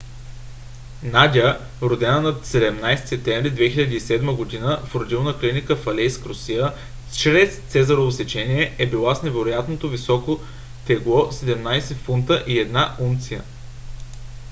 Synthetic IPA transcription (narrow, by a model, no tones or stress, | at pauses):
nad̪ʲiə | ɾod̪ɛnənɐsɛd̪ɛmnajst̪i̥sɛp̚t̪ɛ̃mvɾid̪vɛxiʎʲəd̪iːsɛd̪məɡod̪inəfɾod̪ilˠnəklinikəfɐlɛjskɾosijə | t͡ʃɾɛst̪sɛzɐɾovosɛt͡ʃɛnʲiɛɛbilˠasnɛvɛɾojat̪not̪ovisɔko | t̪ɛɡlˠɔsɛd̪ɛmnajsɛfunt̪əʔiɛd̪naunt̪sijə̰